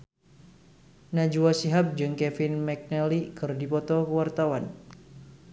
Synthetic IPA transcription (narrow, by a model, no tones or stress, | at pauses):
nad͡ʒuwasiɦap̚d͡ʒɨŋkɛfɪnmɛk̚nɛlikɨrdipɔt̪ɔkəwart̪awan